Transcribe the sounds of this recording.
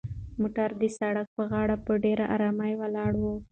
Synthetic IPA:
moʈaɾd̪əsaɽak̚pəɣɑɽapəɖeɾaʔa̰ɾɑmajwalɑɽwo

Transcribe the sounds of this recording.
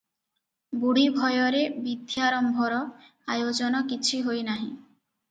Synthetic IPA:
buɽibʱɔjɔɾebid̪ʱjaɾɔmbʱɔɾɔ | ajod͡ʒɔnɔkit͡ɕʰuɦojnaɦḭ̃

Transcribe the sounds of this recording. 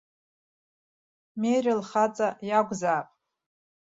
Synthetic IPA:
mejrʲɪlχat͡sʼajaɡʷzaːpʼ

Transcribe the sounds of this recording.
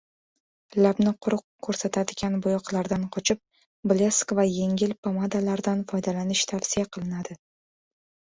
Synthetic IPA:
labnɪqʰʊɾʊq̚kʰːɵɾsat̪ʰad̪ɪɡʲanbʊjɒqlˠaɾd̪anqʰɒt͡ʃʰɪp̚ | bleskvaje̞ŋʲɪlpʰamad̪alaɾd̪anfɒjd̪alanɪʃt̪ʰafsijaqʰɨlˠɪnad̪ɪ

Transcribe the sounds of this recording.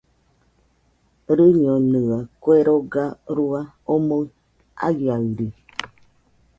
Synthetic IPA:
ɾɨɲonɨakweɾoɡaɾua | omo | a̰ɡiaɯɾi

